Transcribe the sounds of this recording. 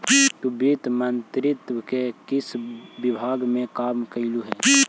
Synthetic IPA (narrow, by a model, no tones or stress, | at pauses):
t̪ubit̪mənt̪ɾɪt̪wəkekɪsbɪbʱaːɡmẽkaːmkəiluɦɛː